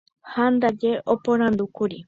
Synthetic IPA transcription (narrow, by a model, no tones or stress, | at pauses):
hand̪ad͡ʒeʔopoɾ̃ãnd̪ukuɾi